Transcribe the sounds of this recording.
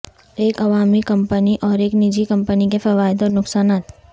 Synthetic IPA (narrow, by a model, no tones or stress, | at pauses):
eːkɐʋaːmikɐ̃mpəniʔɔːɾeːknɪd͡ʒikɐ̃mpənikefɛʋaːɪd̪ɔnʊksaːnaːt̪